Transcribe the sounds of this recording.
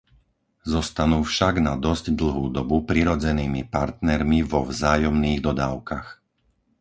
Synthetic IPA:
zɔst̪anuːfʃaɡnad̪ɔzɟd̪l̩ɦuːd̪ɔbupɾiɾɔd͡zɛniːmipaɾt̪nɛɾmivɔvzaːjɔmniːɣd̪ɔd̪aːʊkax

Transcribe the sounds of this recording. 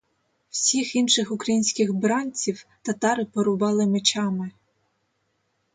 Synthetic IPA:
wsʲixinʃɪxʊkɾɐjinʲsʲkɪxbɾɑnʲt͡sʲiwt̪ɐt̪ɑɾɪpɔɾʊbɑlˠɪmet͡ʃɑmɪ

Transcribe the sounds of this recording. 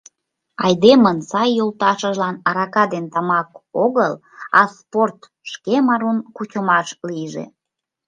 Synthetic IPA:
ɑjd̪emənsɑjːolt̪ɑʃəʒlɑnɑɾɑkɑd̪ent̪ɑmɑkoɣəl | ɑsport̪ | ʃkemɑɾunkut͡ɕəmɑʃliʒḛ

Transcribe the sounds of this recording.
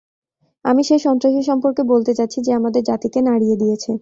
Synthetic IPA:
amiʃejʃɔnt̪ɾaʃiʃɔmpoɾkebolt̪et͡ɕat̪ːɕʰid͡ʑeamad̪eɾd͡ʑat̪ikenaɽijed̪ijet͡ɕʰe

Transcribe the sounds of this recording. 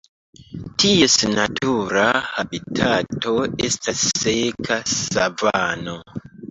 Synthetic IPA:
tie̞snatʰuɾahabitʰatʰo̞e̞stasːekʰasavano

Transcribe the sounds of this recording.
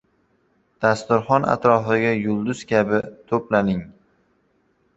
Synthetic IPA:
d̪̥ast̪ʊɾχɒnʔa̰t̪ɾɒfɪɡʲajʊlˠd̪ʊz̥kʲʰabɪt̪ʰoplanɪŋ

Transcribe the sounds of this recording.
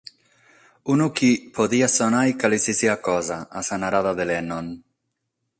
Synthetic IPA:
unukipʰoðiasonajkalisisiakɔzaasanaɾaðaðelenɔn

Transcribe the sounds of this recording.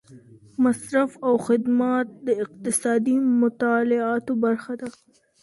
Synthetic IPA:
masɾafawxɪd̪mat̪̚d̪əɪq̚t̪ɪsɑd̪imʊt̪ɑlɪɑt̪obaɾxad̪a

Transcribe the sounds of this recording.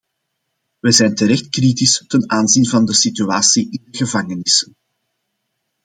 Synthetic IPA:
ʋɛzɛjntəɾɛxtkritɪstənaːnzinvɑndəsityaːsiʔɪndəɣəvɑŋənɪsən

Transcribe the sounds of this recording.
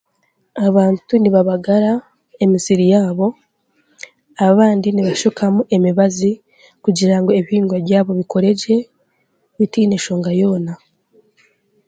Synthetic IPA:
aβaːntuniβaβaɡaɾa | e̞misiɾijaːβo̞ | aaβaːndiniβaʃukʰamuʔe̞miβazi | kuɟiɾaŋɡoeβiiːŋɡwaβɟaːβo̞βiko̞ɾe̞d͡ʒe̞ | βitiːne̞ʃo̞ːŋɡajo̞ːna

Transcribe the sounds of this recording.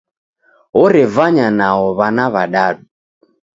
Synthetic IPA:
ɔɾɛvaɲanaɔβanaβaɗaɗu

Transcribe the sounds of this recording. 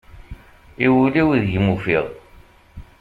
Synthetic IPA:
iwuliwiðʝmufiʁ

